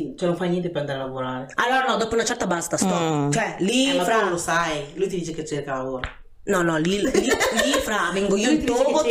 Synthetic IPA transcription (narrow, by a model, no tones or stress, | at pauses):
it͡ʃɛnõɱfajnjɛnt̪epeɾand̪aɾealavoɾaːɾealːoːɾanɔd̪ɔːpounat͡ʃɛrt̪abaːzet̪ast̪ɔɾat͡ʃɛlifɾalosajlujt̪id̪iːt͡ʃeket͡ʃːerkalavoːɾa | nɔnɔlililifɾavɛŋɡoioinovo